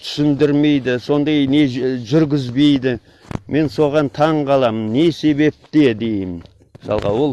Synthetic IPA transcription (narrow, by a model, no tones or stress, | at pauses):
t̪ʰʏ̥sɪnd̪ɪɾme̞jd̪ɪso̞nd̪ɑjne̞ʒʏɾɡʲɪzbe̞jd̪ɪ | mʔe̞nso̞ʁɑnt̪ʰɑɴqʰɑlˠɑmənːe̞se̞be̞p̚t̪e̞d̪e̞jɪmn | mɪsɑlˠʁɑ̰wo̞lˠ